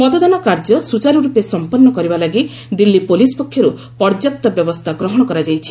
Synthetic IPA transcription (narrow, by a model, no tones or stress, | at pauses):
mɔt̪ɔd̪ɔnɔkaɾd͡ʒɔsut͡ʃaɾuɾupesɔmpɔnːɔkɔɾibalaɡi | d̪ilːipolispɔkʰːjɔɾu | pɔɾd͡ʒap̚t̪ɔbjɔbɔst̪ʰaɡɾɔɦɔɽ̃ɔkɔɾad͡ʒajt͡ʃʰi̥